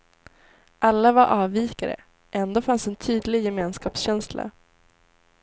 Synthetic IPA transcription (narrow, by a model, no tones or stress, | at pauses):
ʔalːavaɾʔɑːviːkaɾə̰ | ʔɛnd̪oːfansɛnt̪ʰyːd̪lɪɡjɛmeːnskɑːpsɕɛnslʔa̰